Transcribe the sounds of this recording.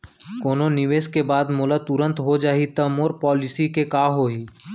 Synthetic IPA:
koːnonɪʋeːskebaːd̪moːlət̪ʊɾə̃nt̪ɦod͡ʒaːit̪ɐmoɾpɔːlɪsikekaːɦoːiː

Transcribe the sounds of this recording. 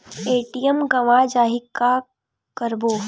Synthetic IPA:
eːʈijəmɡɐʋad͡ʒaːɦika | kəɾboː

